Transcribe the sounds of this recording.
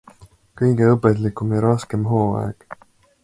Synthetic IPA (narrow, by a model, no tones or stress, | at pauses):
kɤjɡ̥e̞ɤpːˑet̪likːˑumjɑɾɑske̞mɦo̞ːɑ̰ḛɡ̥